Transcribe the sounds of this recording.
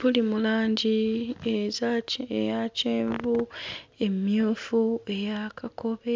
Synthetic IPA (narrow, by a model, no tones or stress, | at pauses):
βulimulaːɲɟiezaejaceːɱvue̞mjuːfue̞jakako̞βe